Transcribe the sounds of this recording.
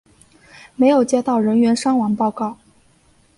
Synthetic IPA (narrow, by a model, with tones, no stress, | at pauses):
me˧˥ɪjo˨˩ʊt͡ɕjɛ˥t̪ɑ˥˩ʊɻə˧˥nɥɛ˧˥nʂɑ˥ŋwɑ˧˥ŋpɑ˥˧ʊkɑ˥˩ʊ